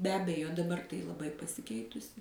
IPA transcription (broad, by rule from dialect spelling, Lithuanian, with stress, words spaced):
bʲɛ ˈɑːbʲɛjoː dɐˈbɐr tɐɪ lˠɐˈbɐɪ pɐsʲɪˈkʲɛɪtʊsʲɪ